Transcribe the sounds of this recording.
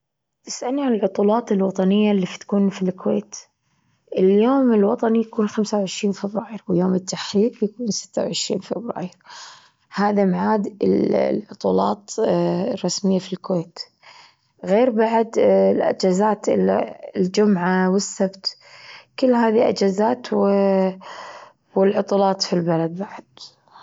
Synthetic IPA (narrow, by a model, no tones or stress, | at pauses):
t̪ɪsʔalnːiʕanɪlʕʊt̪ˤuːlɑːt̪ɪlwɑt̪ˤɑnɪjːalːift̪ḁkuːnfilkweːt̪ | ʔɪljoːmɪlwɑt̪ˤɑnijakuːnxamsawʕɪʃɾiːnfɪbɾaːjɪɾwɪjoːmɪt̪ʰːaħɾiːqjakuːnsɪ̥t̪ːawʕɪʃɾḭːnfɪbɾa̰ːjɪɾ | haːðamaʕaːd̪ɪllʕʊt̪ˤṵːlɑ̰ːt̪rˤːɑsmɪjːafilkweːt̪ | ɣeːɾbaʕd̪lʔa̰d͡ʒazaːt̪ɪla̰ld͡ʒʊmʕawɪsːabt̪kɪlːɦaːðiʔa̰d͡ʒazaːt̪wɪ | wɪlʕʊt̪ˤuːlɑːt̪ˤfilbalad̪̚baʕad̪̥